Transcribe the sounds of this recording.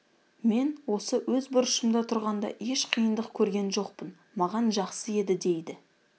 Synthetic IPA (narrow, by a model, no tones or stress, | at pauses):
me̞nwo̞səwɵzbʊɾʊʃəmd̪ɑt̪ʰʊɾʁɑnd̪ɑ̰ʔe̞ʃqʰijənd̪əqkʲʰɵɾɡʲe̞nʒo̞qpən | mɑʁɑnʒɑqsəe̞d̪ɪd̪e̞jd̪ɪ